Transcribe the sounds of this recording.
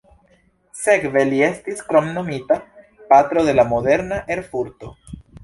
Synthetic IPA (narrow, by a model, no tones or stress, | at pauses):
se̞kve̞lie̞stiskɾo̞mno̞mita | pat̪ɾo̞ðe̞lamo̞d̪e̞ɾnaʔe̞ɾfuɾt̪o̞